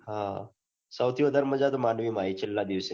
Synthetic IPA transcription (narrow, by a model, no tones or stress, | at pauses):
ɦã | səwt̪ʰiʋəd̪ʱaɾməd͡ʑad̪manʋiːmaɦit͡ɕelːad̪iʋse